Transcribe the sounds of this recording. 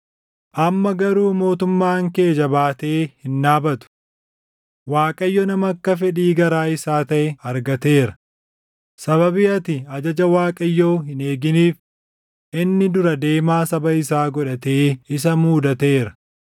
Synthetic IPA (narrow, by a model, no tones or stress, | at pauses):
ʔɐmːɐɡɐɾuːmo̞ːt̪ʊmːaːŋke̞ːd͡ʒɐbaːt̪eːhɪnːaːbɐt̪ʊ̥ | waːkʼɐjːɔnɐmɐkːɐfɛᶑiːɡɐɾaːɪsaːt̪ɐʔɛɐɾɡɐt̪e̞ːɾɐ | sɐβɐbɪɐt̪ɪɐd͡ʒɐd͡ʒɐwaːkʼɐjːoːɦɪneːɡɪniːf | ʔɪnːɪd̪ʊɾɐd̪e̞ːmaːsɐbɐɪsaːɡɔᶑɐt̪e̞ːɪs̬ɐmuːd̪ɐt̪e̞ːɾɐ